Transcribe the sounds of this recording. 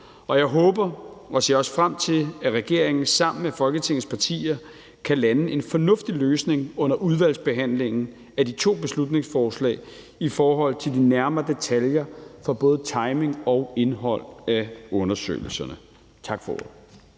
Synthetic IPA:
ɒ̽jɑ̈ɪɦɔ̽ːb̥ɐʔɒ̽se̝̰ːɐɒ̽sfʁam̰t͡sʰe̝læʁɛɡ̥e̝ɐ̰eŋn̩sɑ̈m̰n̩mefɒ̽lɡ̥ət͡sʰe̝ŋ̰ð̩ˠspʰɑ̈t͡sʰḭːɐ | kʰælænəʔe̝nfɒ̽nɔ̽fd̥iløːsne̝ŋɔ̽n̰ɐʔuð̞ˠʋæl̰sb̥e̝ɦæn̰le̝ŋn̩ | æd̥it͡sʰo̝̰ːb̥e̝slud̥ne̝ŋsfɒːslɛ̰ːɪ | ifɒːɦɒ̽l̰t͡sʰe̝ldinæɐmɐɐd̥e̝t͡sʰæljɐfɑ̈b̥ɔ̽ːð̩ˠt͡sʰɑ̈ɪme̝ŋɒ̽ʊe̝nɦɒ̽l̰æɔ̽nɐsø̰ːl̩sɐnə | t͡sʰɑ̈ɡ̥fɒoðˠ

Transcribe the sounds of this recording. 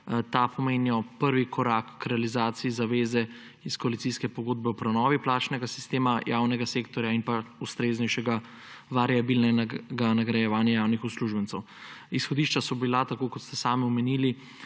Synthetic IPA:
t̪apɔmeːnjɔpəɾʋikʰɔɾakːɾɛalizaːt̪siizaʋeːzɛ | iskɔalit̪siskɛpɔɡoːd̪̚bɛɔpɾɛnɔːʋiplaːt͡ʃnɛɡasi̥st̪eːmajawnɛɡaseːkt̪ɔɾjainpaust̪ɾeːznɛjʃɛɡa | ʋaɾiabilnɛɡanaɡɾɛjɛʋaːnjajawnixusluʒbəntsɛw | isxɔd̪iːʃt͡ʃasɔbilat̪akokɔt̪st̪ɛsaːmiɔmɛnili

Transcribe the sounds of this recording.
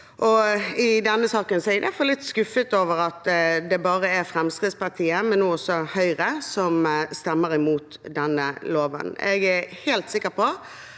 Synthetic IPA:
ʔɔɪd̪ɛnːəsɑːkənsɔɛɪd̪æfɑllɪt̪ːskʉfət̪oːʋəɾɑt̪d̪ɛbɑːɾəæɾfɾɛmskɾɪt̪spɑʁt̪ʰiːəmɛnːoːɔsːɔhœʏɾəsɔmst̪ɛmːəɾɪmuːt̪d̪ɛnːəloːʋə̰nɛ̰ɡæhɛːlt̪sɪkːəpɔ

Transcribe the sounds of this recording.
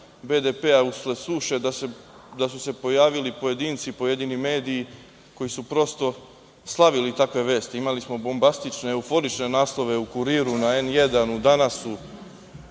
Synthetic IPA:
be̞d̪e̞pe̞auslesuːʃe̞d̪ase | d̪asuse̞po̞jaːʋilipo̞je̞d̪iːnt̪sipo̞jed̪inime̞ːd̪iː | ko̞jisupɾo̞st̪o̞ | slˠaʋilit̪akʋe̞ʋe̞ːst̪iimalismo̞bo̞mbast̪it͡ʃne̞ːufo̞ɾit͡ʃne̞naːslˠo̞ʋe̞ukuɾiːɾunaenje̞d̪anud̪anasu

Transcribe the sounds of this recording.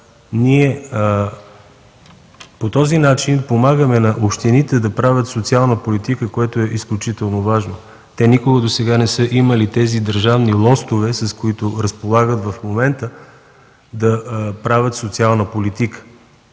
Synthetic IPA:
niɛ | pot̪ɔzinat͡ʃinpomaɡəmɛnɐʔopʃt̪init̪ɛd̪ɐpɾavʲət̪sot̪sialˠnəpolit̪ikəkoɛt̪oɛʔisklʲut͡ʃit̪ɛlˠnovaʒno | t̪ɛnikoɡəd̪osɛɡanɛsɤʔiməlit̪ɛzid̪əɾʒavnilˠɔst̪ovɛsɐskoit̪oɾəspolˠaɡət̪vɐfmomɛnt̪ə | d̪ɐpɾavʲət̪sot̪sialˠnəpolit̪ikə̥

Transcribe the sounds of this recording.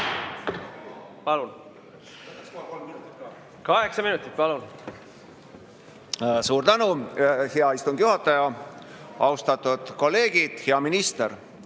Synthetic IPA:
pɑlun | olminut̪ːit̪ | kɑheksɑminut̪ːˑi̥t̪̚pɑlun | suːɾt̪ænuheɑist̪uŋɡ̥juɦɑt̪ːˑɑjɑ | ɑwst̪ɑt̪ːˑud̪̥ko̞lːe̞ːɡ̥id̪̥heɑminist̪eɾ

